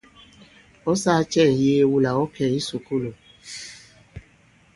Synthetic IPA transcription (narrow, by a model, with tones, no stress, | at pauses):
ɔ˦sa˦t͡ʃɛ˦˨je˦wu˦la˨ɔ˦kɛ˨i˦su˨ku˦lo˨